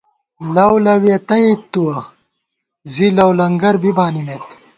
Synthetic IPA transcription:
lɐwlɐwiɐt̪ɐit̪ːuwɐ | zilɐwlɐŋɡɐɾbibaːnimet̪

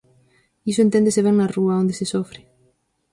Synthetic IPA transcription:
isoent̪ẽnd̪eseβeŋnaruaond̪esesofɾɪ

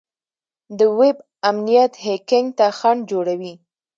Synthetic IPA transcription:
d̪əwɪb | amnijat̪hekɪŋɡt̪axaɳd͡ʒoɽawi

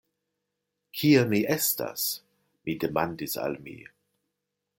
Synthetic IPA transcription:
kʰiamiʔesta̰s | midemandisa̰lmḭ

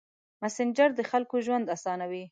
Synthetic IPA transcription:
masɪnd͡ʒaɾd̪əxalkoʒwand̪asɑnawi

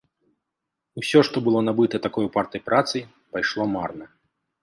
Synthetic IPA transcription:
usʲɔʂt̪ɔbɨlˠɔnabɨt̪ɐt̪akɔjupart̪ɐjpɾat̪sɨj | pajʂlˠɔmarnɐ

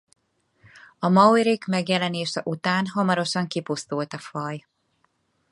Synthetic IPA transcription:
ɒmɒwɾikmɛɡjɛlɛneːʃɛʔut̪aːnɦɒmɒɾo̞ʃɒŋkipust̪ult̪ɒfɒj

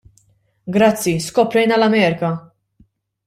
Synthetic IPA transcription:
ɡɾɐt͡sːiskɔpɾɛjnɐlɐmɛːɾɪkɐ

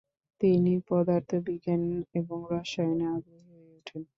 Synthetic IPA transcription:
t̪inipɔd̪aɾt̪ʰobiɡaneboŋɾaʃajonead̪onieeʈʰen

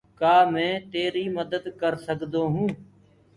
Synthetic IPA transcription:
kaːmɛ̃ːt̪eːɾiːməd̪əd̪kəɾsəkd̪oːɦũː

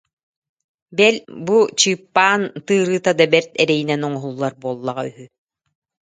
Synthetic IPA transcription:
bɛlbut͡ɕɯːpːaːnt̪ɯːɾɯːt̪ad̪abɛɾt̪ɛɾɛjinɛnɔŋɔɦulˠːaɾbuɔlˠːaʁayɦy

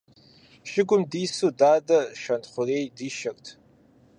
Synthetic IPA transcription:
ʃɪɡʷʊmdiːsudaːdɐʃɐntχʷʊreːjdiːʃɐrʼtʰ

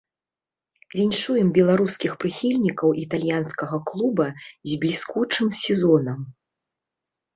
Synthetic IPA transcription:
vʲinʲʂujɛmbʲɛlˠaɾuskʲixpɾɨxʲilʲnʲikɐwʔit̪alʲjanskɐɣɐklˠubɐzʲblʲiskut͡ʂɨmsʲɛzɔnɐm

